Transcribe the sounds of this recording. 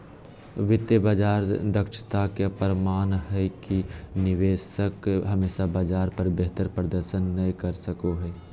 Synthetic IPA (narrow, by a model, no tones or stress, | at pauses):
ʋɪt̪əbad͡ʒaːɾd̪əkʃt̪akepəɾəmaːnɦɛkinɪʋeːsəkɦəmeːsabad͡ʒaːɾpəɾbeɦt̪əɾpɾəd̪əɾʃənːəĩkəɾsəkoɦɛː